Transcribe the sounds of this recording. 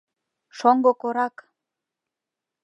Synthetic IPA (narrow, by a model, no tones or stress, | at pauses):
ʃoŋɡokoɾɑk